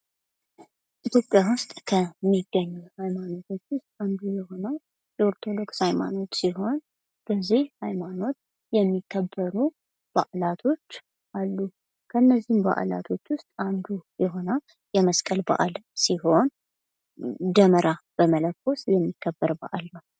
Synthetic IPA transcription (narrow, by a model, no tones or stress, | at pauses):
ʔit̪jo̞pʼːjawʊst̪ʼkʰəmːiɡːəɲːuhajmano̞t̪ʰo̞t͡ʃːwʊst̪ʼand̪ujɛho̞na | oɾt̪ʰo̞d̪o̞kshajma̰no̞t̪siɦo̞n | b̥əzːihhajmano̞t̪̚ | jɛmːikʰːəbːəɾu | b̥aʔlat̪ʰo̞t͡ʃː | ʔalːu | kʰənːəzːimba̰ʔla̰t̪ʰo̞t͡ʃːwʊst̪ʼand̪ujɛɦo̞na | jɛməskʼəlba̰ʔa̰lsiho̞n | d̪əməɾab̥əmələkːo̞sjɛmːikʰːəbːəɾba̰ʔalnəw